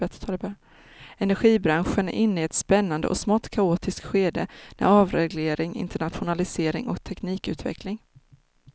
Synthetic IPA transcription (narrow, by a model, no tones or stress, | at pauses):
ɛt̪t̪ʰːlb | ɛnæɾɧiːbɾanɧənæ̰ʔɪnːəɛt̪spɛnːand̪əʔɔ̰smɑːt̪kʰaoːt̪ɪsk̪ɧeːd̪əmɛ̰ɑːvɾɛɡleːɾɪŋɪ̰nt̪ʰəɳat̪ɧʊnalɪseːɾɪ̰ŋɔ̰kt̪ʰɛkniːkʉ̟ːt̪vɛ̰klɪŋ